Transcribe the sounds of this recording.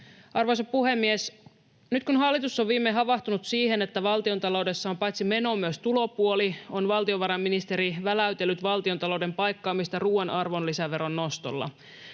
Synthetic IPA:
ɑrʋojsɑpuhe̞mːies | nyt̪kunɦɑlːit̪usːoʋʋiːmːeɦɑʋɑht̪unut̪siːhe̞net̪ːæʋɑlt̪io̞nt̪ɑlo̞wde̞sːɑompɑjt̪sime̞no̞myøst̪ulo̞puolio̞nʋɑlt̪ioʋɑɾɑmːinist̪e̞ɾiʋælæyt̪elːyt̪ʋɑlt̪io̞nt̪ɑlo̞wde̞mpɑjkːɑːmist̪ɑruːenʔɑrʋo̞nlisæʋe̞ɾo̞nːo̞st̪o̞̰lːɑ̰

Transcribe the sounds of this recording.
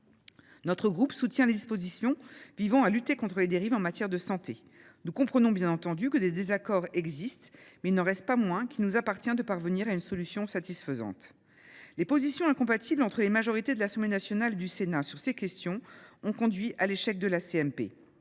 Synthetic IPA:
nɔt̪χəɡʁupsut̪jɛ̃led̪ispozisjɔ̃vivɑ̃alyt̪ekɔ̃t̪χəled̪eʁivɑ̃mat̪jɛʁd̪əsɑ̃t̪e | nukɔ̃pχənɔ̃bjɛ̃nɑ̃t̪ɑ̃d̪ykəd̪ed̪ezakɔʁɛɡzist̪mɛilnɑʁɛst̪̚pamwɛ̃kʲilnuzapaʁt̪jɛ̃d̪əpaʁvəniʁaynsɔlysjɔ̃sat̪isfəzɑ̰̃t̪ | lepozisjɔ̃ɛ̃kɔ̃pat̪ʰiblɑ̃t̪χəlemaʒɔʁit̪ed̪əlasɑ̃blenasjɔnaled̪ysenasyʁsekʲɛst̪jɔ̃ɔ̃kɔ̃d̪ɥiʔaleʃɛk̚d̪əlaseɛmpḛ

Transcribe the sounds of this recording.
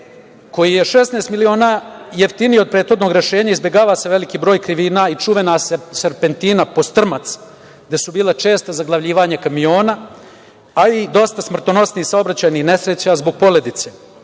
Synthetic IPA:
ko̞jije̞ʃe̞snest̪milio̞ːnaːjeft̪inijo̞d̪̚pɾeːt̪xo̞d̪no̞ɡɾe̞ʃe̞ːɲaizbʲjeɡaːʋase̞ʋe̞likiːbɾo̞ːjkɾiʋiːnaːit͡ʂuʋenaseseɾpent̪iːnapo̞st̪r̩mat̪s | ɡ̚d̪e̞subiːlˠat͡ʃe̞ːst̪azaɡlˠaʋʎiːʋaːɲakamio̞ːna | aid̪ost̪asmr̩t̪ono̞sniisaobɾat͡ɕaːjnixne̞sɾet͡ɕazboɡ̚po̞le̞d̪it̪seː

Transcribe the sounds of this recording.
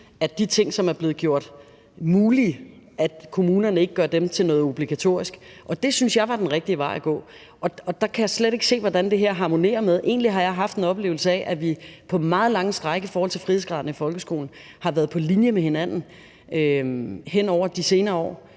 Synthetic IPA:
æd̥it͡sʰe̝ŋ̰sɒ̽mæɐb̥le̝ːð̞̩ˠɡ̥jo̝ɐ̰d̥ | muːli | æd̥kʰo̝muːnɐnəe̝ɡ̥əɡ̥ɶɐd̥emt͡sʰe̝lnɔ̽ːð̩ˠo̝b̥liɡ̥æt͡sʰo̝̰ɐ̰isɡ̥ʔɒ̽d̥e̝synsjɑ̈ɪʋɑ̈d̥enʁeɡ̥̚d̥iəʋɑ̈ɪæɡ̥ɔ̰̽ː | ʔɒ̽ɒ̽d̥ɑ̈kʰæjɑɪsleɾe̝ɡ̥se̝̰ːʋɒdænd̥e̝ɦeɐɦɑ̈ːmo̝ne̝̰ːɐmeðˠʔe̝̰ːnliɦɑ̈jɑ̈ɪɦɑ̈fd̥e̝nɒ̽b̥le̝ːʊl̩səɛ̰ʔæʋipʰɒ̽mɑ̈ːð̞̩ˠlɑ̈ŋəsd̥ʁɑ̈ɪɡ̥əifɒɔːhɒl̰t͡sʰe̝lfʁihð̩ˠsɡ̥ʁɑ̈ðˠn̩əifɒ̽lɡ̥əsɡ̥o̝ːln̩ | hɑ̈ʋæːɐð̞̩ˠpʰɒ̽linjəmehe̝næn̰n̩ | øɦen̰ɒʊ̰ɐd̥ise̝ːnɐːɒ̰ː

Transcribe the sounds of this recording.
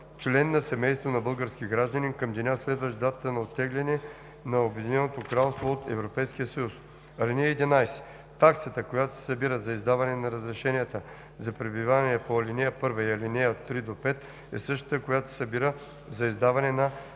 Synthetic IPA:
t͡ʃlɛnːɐsɛmɛjst̪vonɐbɤlˠɡəɾsk̟iɡɾaʒd̪ənikɐmd̪ɛnʲaslɛd̪vəʃd̪at̪ət̪ənɐot̪ːɛɡlʲɛnɛ | nɐobɛd̪inɛnot̪okɾalˠst̪voːt̪ɛvɾopɛjsk̟ijəsɐjus | ɐlʲinɛjəɛd̪inajsɛ̥ | t̪aksət̪əkojat̪o̥sɐbiɾəzɐizd̪avɐnɛnɐɾəzɾɛʃɛnʲijət̪ə | zɐpɾɛbivanɛɛpoɐlinɛjəpɤɾvɐiɐlinɛjəot̪ːɾid̪opɛt̪ | ɛ̰sɤʃt̪ə̥t̪əkojat̪o̥sɐbiɾə | zɐizd̪avɐnɛnɐ

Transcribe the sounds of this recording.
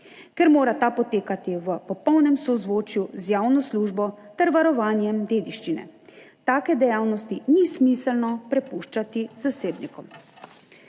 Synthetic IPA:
kɛɾmoːɾat̪apɔt̪eːkat̪iʋəpɔpɔwnɛmsɔzʋoːt͡ʃjuzjaːwnɔsluʒbɔt̪ɛɾʋaɾɔʋaːnjɛmd̪eːd̪iʃt͡ʃinɛ̰ | t̪aːkɛd̪ɛjaːwnɔst̪inismisɛlnɔpɾɛpuʃt͡ʃat̪izaseːbnikɔm

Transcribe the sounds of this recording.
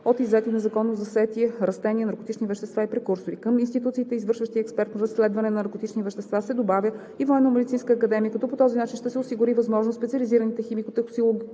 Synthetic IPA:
ot̪izːɛt̪inɛzɐkɔnːozɐsɛt̪iɛɾɐst̪ɛniɛnɐɾkot̪it͡ʃnivɛʃt̪ɛst̪vaipɾɛkuɾsoɾikəminst̪it̪ut̪siːt̪ɛizvɤɾʃvəʃt̪iəɛkspɛɾt̪nɐɾɐsːlɛd̪vɐnɛnɐnɐɾkot̪it͡ʃnivɛʃt̪ɛst̪vasɛd̪obavʲjə | ivɔɛnːəmɛd̪it̪sinskəːkɐd̪ɛmʲiəkɐt̪ɔpot̪ɔzinat͡ʃinʃt̪ɛsɛosiɡʊɾivɐzmɔʒnost̪spɛt̪sʲɐliziɾənit̪ɛximikot̪ɛxosilˠoɡʲ

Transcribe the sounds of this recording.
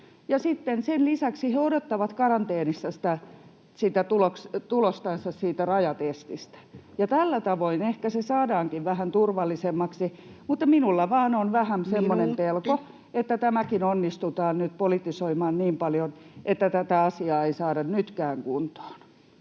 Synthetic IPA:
jɑsit̪ːensenlisæksiheodot̪ːɑʋɑt̪kɑrɑnt̪eːnisːɑsi̥t̪æ | sit̪æt̪ulokt̪ulost̪ɑnsːɑssiːt̪ærɑjɑt̪est̪ist̪æ̥jɑt̪ælːæt̪ɑʋoinehkæsesɑːdɑːŋkiʋʋæhænt̪urʋɑlːisemːɑksi | mut̪ːɑminulːɑʋɑːnonʋæhæmsemːonempelko | et̪ːæt̪æmækinonːist̪ut̪ɑːnnyt̪polit̪ːisoimɑːnniːmpɑljonʔet̪ːæt̪æt̪æɑsiɑːeisɑːdɑnnyt̪kæːŋkunt̪o̥ːn

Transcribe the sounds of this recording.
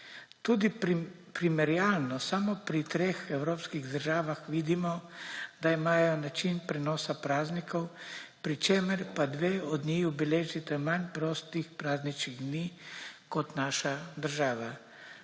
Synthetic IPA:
t̪uːd̪ipɾimɛɾjalnɔsamɔpɾit̪ɾeːxɛwɾoːpskiɣd̪əɾʒaːʋaxʋiːd̪imɔd̪aimaːjɔnat͡ʃinpɾɛnɔːsapɾaːznikʰɔwpɾit͡ʃeːməɾpad̪ʋeːɔd̪nixubɛleːʒit̪ɛmanʲpɾɔːst̪ixpɾaːznit͡ʃkiɣd̪niːkɔt̪naːʃad̪əɾʒaːʋa

